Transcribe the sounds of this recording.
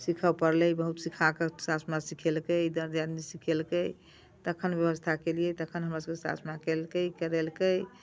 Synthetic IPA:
sikʰəpəɾlɛbəɦut̪sikʰakesasmasikʰelkəjd̪əɾd̪jad̪nisikʰelkəj | t̪əkʰənbjəβəst̪ʰakelijɛt̪əkʰənɦəmɾasəbkesa̰smakelkəjkəɾelkəj

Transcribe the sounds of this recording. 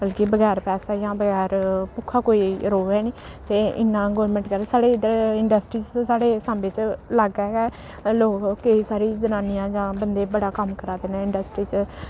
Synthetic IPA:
bəlkɪbəɡɛːɾpɛːsaːjãːbəɡɛːɾpʊkʰːaːkoːiːɾoːɛːniː | t̪eːɪ̰nːãːɡɔːɾmɛ̃ːɳʈkəɾsaːɽeːɪd̪əɾɪɳɖəsʈɾiːt͡ʃ̪saːɽeːsaːmbeːt͡ʃlaɡɛːɡɛː | loːkːeiːsaːɾiːd͡ʒənaːnɪjãːd͡ʒãːbənd̪eːbəɽaːkəmkəɾaːd̪eːnãːɪɳɖəsʈɾiːt͡ʃ

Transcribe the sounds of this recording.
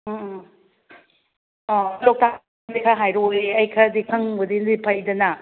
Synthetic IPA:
lok̚ta | nikʰaɦajɾojeɐjkʰɐdikʰɐŋbɐdindipʰɐjdɐnɐ

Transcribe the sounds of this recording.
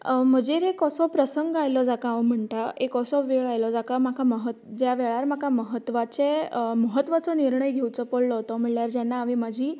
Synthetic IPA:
m̤əd͡ʑeɾekɔsɔpɾəsəŋɡajlɔd͡zakaʋwm̤əɳʈ̪aekɔsɔʋeɭajlɔd͡zakamakʰaməɦət̪d͡ʑjaʋɛɭaɾm̤akʰaməɦət̪ʋat͡seməɦət̪ːʋat͡sɔniɾɳəjɡʱewt͡sɔpoɽlɔɦt̪ɔm̤iɭljaɾd͡ʑanːaːʋimad͡ʑʱiː

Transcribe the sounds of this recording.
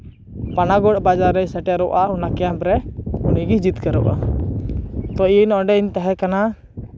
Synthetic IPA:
panaɡɔʈ̚bad͡ʒaɾɛjsɛʈaɾɔʔaunakɛjampɾɛuniɡid͡ʒit̪kəɾɔ̰ʔa̰ | t̪ɔinɔ̃ɖɛint̪aɦɛkana

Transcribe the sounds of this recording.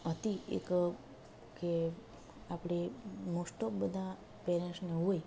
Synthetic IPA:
ət̪iḛk | ke | apɽemosʈok̚bəd̪ʱa | peɾɛnsneɦoj

